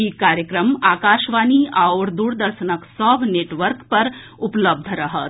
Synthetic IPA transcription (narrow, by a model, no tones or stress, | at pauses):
ikaːɾjəkɾəmaːkaːʃʋaːniaʊɾd̪uːɾd̪ɐɾʃənəksɔːbʱneːʈʋəɾkpɐɾ | upləb̚d̪ʱɾɐɦət̪